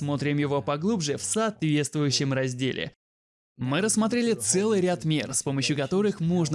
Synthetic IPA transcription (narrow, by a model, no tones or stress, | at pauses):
mo̞t̪ɾʲɪmjɪvo̞pɐɡlˠubʐɨfsɐːt̪vʲe̞t̪st̪vʊjʉɕːɪmrɐzʲdʲelʲɪ̰ | mɨɾəsmɐt̪ɾʲelʲɪt̪sɛlˠɨjɾʲat̪mʲerspo̞məɕjʊkɐt̪o̞ɾɨxmoʐn